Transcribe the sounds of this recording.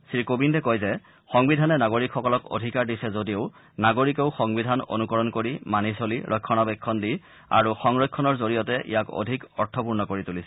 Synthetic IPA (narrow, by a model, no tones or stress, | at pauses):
sɹikobindɛkɔjzɛ | xɔŋbidʱanɛnaɡoɹikxɔkɔlɔko̰dʱikaɹdisɛzodioʊ | naɡoɹikeʊxɔŋbidʱano̰nukɔɹɔnkoɹimanisoliɹʔɔkʰːɔnabɛkʰːɔndi | a̰ɹuxɔŋɹɔjkʰːɔnɔɹzoɹijɔtɛʔḭjako̰dʱikɔ̰ɹtʰɔpuɹnɔkoɹitulisɛ̥